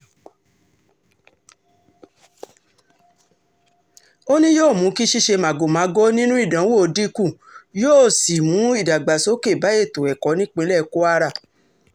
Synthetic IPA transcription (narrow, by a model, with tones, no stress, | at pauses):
o˦nĩ˦joː˦˨mũ˨˦ki˦ʃi˦ʃe˧mã˨ɡo˨mã˨˦ɡo˦nĩ˦nũ˦i˦˨dã˨˦wo˦˨˧di˦kũ˦˨ | joː˦˨si˨mũ˨˦i˦˨da˨ɡ͡ba˨so˨˦ke˦˨ba˨˦e˦˨to˨ɛ˨kɔ˨˦nĩ˦k͡pĩ˨˦lɛ˦˧ko˦a˦ɾa˦˨